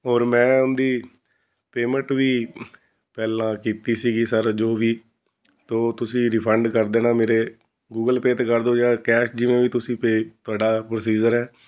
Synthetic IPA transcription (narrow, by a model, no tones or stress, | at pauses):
ɔːɾmɛ̃ːʊnd̪iː | peːmə̃ɳʈʋiː | pɛːlãːkiːt̪iːsiːɡiːsəɾd͡ʒoːʋiː | t̪oːt̪ʊsĩːɾɪpʰəɳɖkəɾd̪eːnãːmeːɾeː | ɡuːɡəlpeːt̪eːkəɾd̪õːd͡ʒãːkɛːʃd͡ʒɪʋẽːʋiːt̪ʊsĩːpet̪ʊaːɖaːpɾoːsiːd͡ʒəɾɦɛː